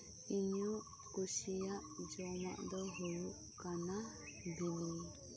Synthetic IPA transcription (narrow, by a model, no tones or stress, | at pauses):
iɲɔ̃ | kusijaʔd͡ʒɔnaʔd̪ɔɦɔuʔ | kana | bini